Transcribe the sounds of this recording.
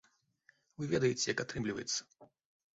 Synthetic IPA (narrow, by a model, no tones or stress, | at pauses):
vɨvʲɛd̪ɐjet͡sʲɛjɐkat̪ɾɨmlʲivɐ̰jɛt̪sːɐ̥